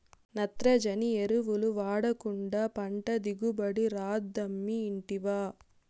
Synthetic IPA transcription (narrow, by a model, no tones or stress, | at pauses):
nɐt̪ɾɐd͡ʒɐnieɾuʋuluʋaːɽɐkuɳɖɐpɐɳʈɐd̪iɡubɐɽiɾaːd̪ːɐmːiːɳʈiʋaː